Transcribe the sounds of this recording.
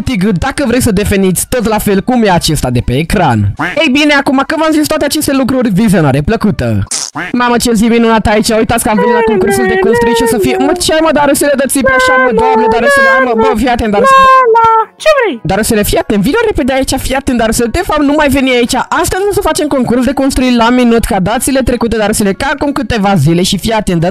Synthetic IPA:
t̪iɡɨd̪akəvɾejsəd̪efenit̪sʲt̪o̞t̪lafelkumjeat͡ʃe̞st̪ad̪e̞peːkɾa̰nejbineakumakɨvamzist̪wat̪eat͡ʃe̞st̪e̞lukɾurʲvizʲjonaɾe̞pləkut̪ə̰mamat͡ʃelziminunat̪ait͡ʃaujt̪at̪sʲkəamvənilakoŋkursuld̪e̞konst̪ɾiʃosəfijmət͡ʃaməd̪aɾəseled̪ət̪sipeaʃamed̪oamned̪aɾəseleməbəfiat̪end̪aɾsenat͡ʃevɾejd̪aɾəsilefiat̪envioɾeped̪eait͡ʃafiat̪end̪aɾəselt̪efapnumajve̞niait͡ʃaʔast̪ezʲnusəfat͡ʃe̞mko̞ŋkuɾrsuld̪eko̞nst̪ɾuilaminut̪kad̪at̪sile̞t̪ɾe̞kut̪ed̪aɾəsilekaːkumkɨt̪e̞vazile̞ʃifiat̪end̪ə

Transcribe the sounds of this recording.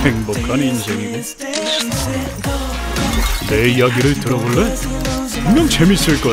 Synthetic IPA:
eŋbokʰaninsʰe̞ŋiɡe | ne̞ijaɡiɾɯɭtɯɾʌboɭːe | omjʌŋt͡ɕe̞mis͈ɯɭk͈ʌ

